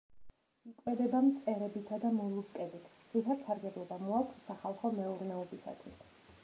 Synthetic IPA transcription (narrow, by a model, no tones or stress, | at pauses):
ikʼwɛd̪ɛbamt̪sʼɛɾɛbit̪ʰad̪amɔlˠupkʼɛbit̪ʰ | it̪ʰat̪saɾɡɛblˠɔbamɔakʰsaχalˠχɔmɛuɾnɛɔbisa̰t̪ʰwis